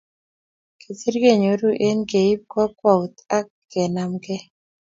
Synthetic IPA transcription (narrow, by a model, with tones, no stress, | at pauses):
ke˨si˦ɾɡe˦˨ɲo˨ɾu˦ʔe˦nɡe˨i˦p̚kɔ˦kwa˦˨u˨t̪a˦kːɛ˨na˨˦mɡɛ˦